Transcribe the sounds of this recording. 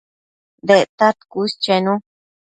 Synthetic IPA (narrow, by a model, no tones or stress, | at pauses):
d̪et̪at̪kust͡ʃenũ